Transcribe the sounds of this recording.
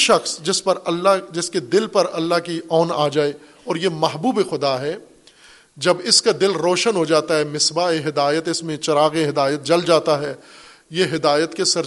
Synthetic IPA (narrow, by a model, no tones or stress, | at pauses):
ʃɐxsd͡ʒɪspɐɾɐad͡ʒɪsked̪ɪlpɐɾɐlːaɦkiʔɔːnaːd͡ʒaːe | ɔːɾjemɐɦbuːbexʊd̪aɦɛː | d͡ʒɐbɪskad̪ɪlɾoːʃənɦod͡ʒaːt̪aɦɛːmɪsbaeɦɪd̪aːjət̪ɪsmẽt͡ʃɐɾaːɣeɦɪd̪aːjət̪̚d͡ʒɐld͡ʒaːt̪aɦɛː | jeɦɪd̪aːjət̪kesɐɾ